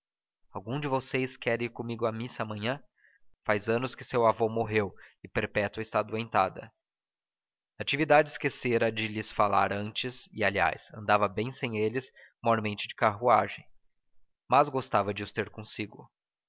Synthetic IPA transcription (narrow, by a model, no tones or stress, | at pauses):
awɡũd͡ʒɪvosejskɛɾẽjkõmiɡʊamisɐamɐ̃ɲɐ̃ | fajzɐ̃nʊskɪsewavomoɦewɪpeɾpɛt̪wɐɪst̪ad̪uẽnt̪ad̪ɐ̰ | at͡ʃivid̪ad͡ʒɪɪskeseɾɐd͡ʒɪlɪsfalaɾɐ̃nt͡ʃɪsɪalia̰jsɐ̰̃nd̪avɐbẽj̃sẽj̃elɪsmɔɾmẽnt͡ʃɪd͡ʒɪkaɦuaʒẽj̃ | mazɡost̪avɐd͡ʒɪʊst̪eɾkõsiɡʊ